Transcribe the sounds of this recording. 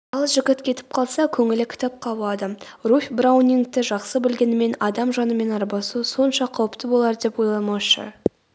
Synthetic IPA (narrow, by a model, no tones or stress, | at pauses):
ɑlˠʒɪɡʲɪt̪kʲʰe̞t̪ɪ̥p̚qʰɑlˠsɑkʲʰɵŋɪlɪkʲʰɪ̥t̪ɑp̚qʰɑbuɑd̪ərufʲbrawnʲiŋk̚t̪ɪʒɑqsəbɪlɡʲe̞nɪme̞nɑd̪ɑmʒɑnəme̞nɑɾbɑsuso̞nʃɑqʰɑwəpt̪əbo̞lˠɑɾd̪e̞pwo̞jlˠɑmɑʃə̰